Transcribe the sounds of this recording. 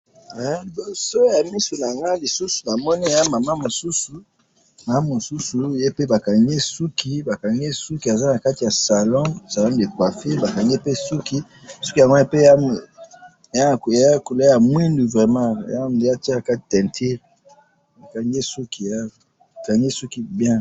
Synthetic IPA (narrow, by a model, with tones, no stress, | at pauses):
a˨˦˨bo˨so˦ja˨mi˦su˨na˨a˨ŋɡa˦li˨su˦su̥˨na˨mɔ˦ni˦˨ja˦ma˨ma˦mo˨su˦su˨ | na˨a˦mo˨su˦su˨je˦pe˦ba˨ka˨ŋɡe˦su˦ki˦ba˨ka˨ŋɡe˦su˦ki˨a˨za˦na˨ka˦ti˨ja˨sa˨lɔ̃˦sa˨lɔ̃˦de˨kwa˨fe˦ba˨ka˨ŋɡe˦pe˦su˦ki˦ | su˦ki˨a˨ŋɡo˦e˦pe˦a˦˨ | a˦˨kko˨la˦ja˨mwi˦ndu˨vʁɛ˨mã̰˦˨ja˦˨˦a˦ti˦˨ka˦ti˨tɛ̃˨ntʰi˦l | ba˨ka˨ŋɡe˦su˦ki˨a˦˨ | a˨ka˨ŋɡe˦su˦ki˦bjɛ̃˦